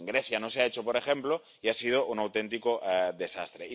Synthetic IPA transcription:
ŋɡɾeθjanoseaet͡ʃopoɾexẽmplo | iasið̞oʔunawt̪ent̪ikoʔðe̞sa̰st̪ɾei

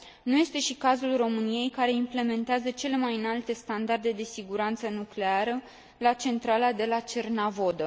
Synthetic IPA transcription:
nuje̞st̪e̞ʃikazulro̞mɨnije̞jkaɾe̞imple̞me̞nt̪eazət͡ʃe̞le̞majɨnalt̪e̞st̪and̪ard̪e̞d̪e̞siɡuɾant̪sənukle̞aɾə | lat͡ʃe̞nt̪ɾalad̪e̞lat͡ʃe̞rnavo̞d̪ə

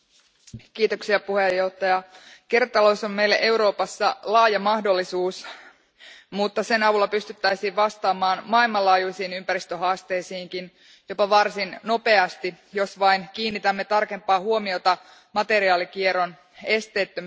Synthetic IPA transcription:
kiːt̪oksiɑpuhejːo̞ht̪ːɑjɑkert̪ɑlosomme̞ilːḛʔe̞uɾo̞ːpɑsːɑlɑːjɑmɑhdo̞lːisuːs | mut̪ːɑse̞nɑʋulːɑpyst̪yt̪ːæjsiːʋʋɑst̪ɑːmɑːnmɑilmɑlɑːjujsiːnympæɾist̪øɦɑːst̪e̞jsiːŋkin | jo̞pɑʋɑrsinno̞pe̞ɑst̪i | jo̞sʋɑinkiːnːit̪æmːe̞t̪ɑrke̞mpːˑɑːhuo̞miot̪ɑ | mɑt̪e̞ɾiɑːlikieɾo̞n | e̞st̪e̞ːt̪ːøm

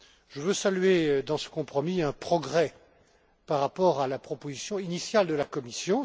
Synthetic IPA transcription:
ʒ̥əvøsalyɥed̪ɑ̃sə̥kɔ̃pχɔmiɛ̃pχɔɡʁɛ | paʁːapɔʁalapχɔpozisjɔ̃inisjald̪əlakɔmisjɔ̃

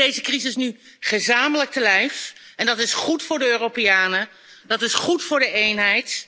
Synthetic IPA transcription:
ejzəkrizɪsny | χəzaːmələk̚təlɛjf | ɛndɑtɪsχutfʊːɹdəøːropɪjaːnə | dɑtɪsχutfʊːɹdəʔejnɦɛjt

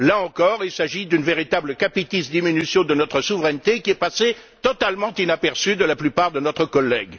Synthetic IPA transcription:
laɑ̃kɔʁilsaʒid̪ynveʁit̪abləkapit̪isd̪iminysjɔ̃d̪ənɔt̪χəsuvʁɛnt̪ekʲiɛpase | t̪ɔt̪almɑ̃t̪inapɛʁsyd̪əlaplypaʁd̪ənɔt̪χəkɔlːɛɡ

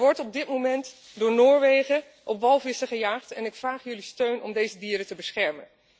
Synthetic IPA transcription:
ʋɔɹtɔb̚dɪtmomɛnt | dʊːɹnoːɹʋejχə | ʔɔpʋɑlˠvɪsəχəjaːχtɛnɪkfraːχjɵlistøɥnɔ̰mdejzədiːɾətəbəsχɛɹmən

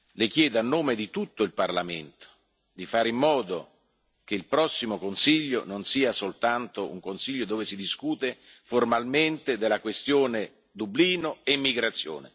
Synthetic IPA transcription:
lek̟jɛːd̪anːoːmed̪it̪ut̪ːoilparlamḛnt̪o̥ | d̪ifaːɾimːɔːd̪o | keilpɾɔsːimokonsiʎːo̰nonsiːasolt̪ant̪oṵŋkonsiʎːod̪oːvesid̪iskuːt̪e | formalment̪ed̪elːakwest̪joːne | d̪ubliːnoemːiɡɾat̪sːjo̰ːnḛ

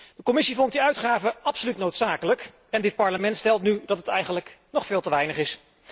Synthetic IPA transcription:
d̥əkomɪsivɔnt̚diœɥtχaːvəʔɑpsolytnowtsaːkələk | ɛndɪt̚pɑɹləmɛntstɛlˠtnydɑtətɛjχənləknɔχfɪːlˠtəʋɛjnəχɪs

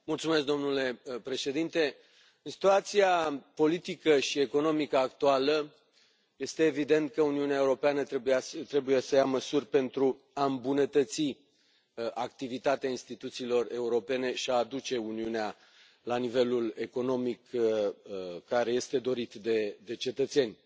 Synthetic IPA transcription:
mult̪sumesk̚d̪o̞mnule̞pɾe̞ʃe̞d̪int̪e̞ | ɨnsi̥t̪uat̪siapo̞lit̪ikəʃieko̞no̞mikəakt̪ualə | je̞st̪e̞ːvid̪e̞nt̪̚kəuniuneaeuɾo̞peanət̪ɾebujast̪ɾe̞buje̞səjaməsurʲpe̞nt̪ɾu | aɨmbunət̪ət̪si | ʔakt̪ivit̪at̪eainst̪it̪ut̪siːlo̞re̞uɾo̞pe̞ne̞ʃiaːd̪ut͡ʃe̞uniunea | lanive̞lule̞ko̞no̞mik | kːaɾe̞je̞st̪e̞d̪o̞ɾit̪d̪e̞d̪e̞t͡ʃe̞t̪ət̪se̞nʲ

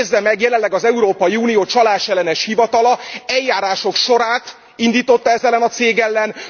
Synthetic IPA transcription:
zːɛmɛɡjɛlɛnllɛɡɒzɛuɾoːpɒjiuːnijoːt͡ʃɒlaːʃɛlːɛnɛʃhivɒt̪ɒlɒɛljːaːɾaːʃo̞kʃo̞ɾaːt̪ | ind̪iːt̪o̞t̪ːɒɛzɛlːɛnɒt̪seːɡɛlːɛn

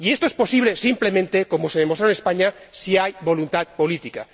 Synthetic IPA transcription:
ie̞st̪oespo̞siβ̞lesimple̞mẽnt̪eko̞moseðemot̪ɾaoenespaɲa | siajbo̞lunt̪at̪po̞lit̪ika

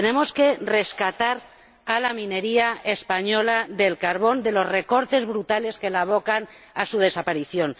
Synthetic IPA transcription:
ene̞mo̞ske̞re̞skat̪aɾ | alamĩne̞ɾiaespaɲo̞laðe̞lkaɾβ̞o̞nd̪e̞lo̞zre̞ko̞ɾt̪e̞zβɾut̪ale̞ske̞laβ̞o̞kan | asuð̞e̞sapaɾiθjo̞n

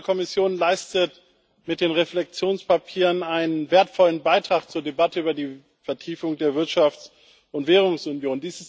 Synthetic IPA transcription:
kʰɔmɪsjoːnlaɪstət | mɪt̚d̥eːnʁeflɛk̚t͡sjoːnspʰapʰiːʁənaɪnənveːɐtfɔlənbaɪtʁ̥aːkt͡suːɐdebatəyːbɐdiː | fɛɐtʰiːfʊŋdeːɐvɪɐtʃaft͡s | ʊntv̥eːʁ̞ʊŋsʊnjoːndiːsɪs

